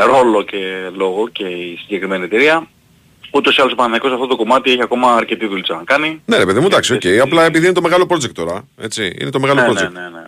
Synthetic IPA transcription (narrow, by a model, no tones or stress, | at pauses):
ɾo̞lo̞ce̞lo̞ɣo̞ce̞isiɲɟe̞kɾime̞niet̪e̞ɾiɐ | ut̪o̞siɐloipɐnnɐiko̞sɐft̪o̞t̪o̞ko̞mɐt̪ie̞çiɐko̞mɐːɾce̞t̪iðulit͡sɐnɐkɐnine̞ɾe̞pe̞ðimod̪ɐksioce̞jɐplɐepiðiinet̪o̞me̞ɣɐlo̞pɾo̞d͡zekt̪ːo̞ɾɐ | e̞t͡siḭne̞t̪o̞me̞ɣɐloɾozetnenḛ